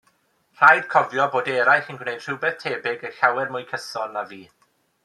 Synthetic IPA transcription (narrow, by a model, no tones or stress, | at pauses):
r̥ajd̥kʰɔvjɔboːdɛɾajxənɡwnejd̥r̥ɪwbɛθtʰeːbɪɡəɬawɛrmʊjkʰəsɔlˠnaviː